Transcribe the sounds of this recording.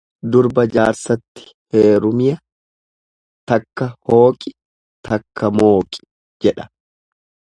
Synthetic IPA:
d̪ʊɾbɐd͡ʒaːɾsɐt̪ːɪ̥ | heːɾʊmɪjɐ | t̪ɐkːɐho̞ːkʼɪ̥ | t̪ʰɐkːɐmo̞ːkʼɪ̥ | d͡ʒɛᶑɐ̥

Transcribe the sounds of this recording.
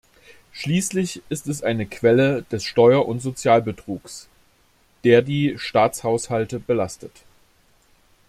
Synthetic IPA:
ʃliːslɪçʔɪstɛs̬ʔaɪnəkʰv̥ɛləd̥ɛsʃtɔʏɐʔʊntz̥ot͡sjaːlbətʁ̥uːks | d̥eːɐdiːʃtaːt͡shaʊshaltəbəlastət

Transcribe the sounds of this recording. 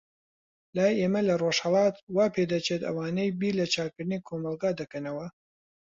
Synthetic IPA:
laːjeːmɐlɐroːʃhɐlˠɑːt̪waːpʰed̪ɐt͡ʃʰet̪ɐ̰waːnejbiːlɐt͡ʃaːkɨɾd̪ɨnikʰomɑlˠɡaːd̪ɐkɐnɐwɐ

